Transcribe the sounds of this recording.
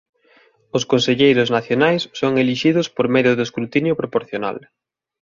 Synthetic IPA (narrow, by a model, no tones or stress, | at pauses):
ʊskonseʎejɾʊznaθjonajsːoŋeliʃiðʊspoɾmeðjʊðʊskɾut̪injʊpɾopoɾθjona̰l